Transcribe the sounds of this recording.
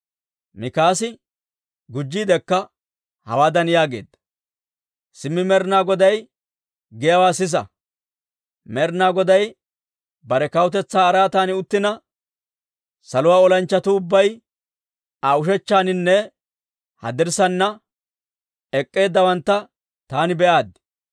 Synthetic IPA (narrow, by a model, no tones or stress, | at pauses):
mɪkaːsɪ | ɡʊd͡ʒːiːd̪ɛkːɐ | hɐ̰waːd̪ɐnɪjaːɡe̞̰ːd̪ːɐ̥ | sɪmːɪmɛɾnaːɡɔd̪ɐj | ɡɛjɐwaːsɪs̬ɐ̰ | mɛɾnaːɡɔd̪ɐj | bɐɾɛkɐwʊt̪ɛt͡sːaːɾaːt̪aːnɪʊt̪ːɪnɐ | sɐlʊwaːɔlɐnt͡ʃːɐt̪ʊʊbːɐj | aʊʃɛt͡ʃːaːnɪnːɛ | hɐ̰d̪ɪɾsɐnːɐ | ɛkʼːe̞ːd̪ːɐwɐnt̪ːɐ | t̪aːnɪbɛʔaːd̪